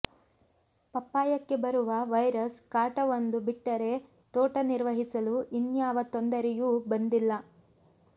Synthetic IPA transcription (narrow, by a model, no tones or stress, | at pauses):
pɐpːaːjɐkːe̞bɐɾuʋɐʋɐjɾɐskaːʈɐʋond̪ubiʈːɐɾe̞ | t̪oːʈɐniɾʋɐɦisɐluʔinjaːʋɐt̪ond̪ɐɾɛjubɐnd̪ilːɐ